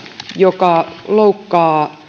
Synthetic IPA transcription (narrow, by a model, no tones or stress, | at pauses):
jokɑloukːɑː